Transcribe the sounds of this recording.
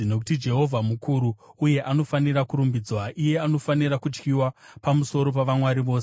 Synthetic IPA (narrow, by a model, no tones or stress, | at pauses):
no̞k̬u̥tid͡ʒe̞ɦo̞vʱamukuɾuːje̞ʔano̞faniɾakuɾumbid͡zwaʔije̞ano̞fanirakut͡ʃkiwapamuso̞ɾo̞paʋamwaɾiʋo̞ːs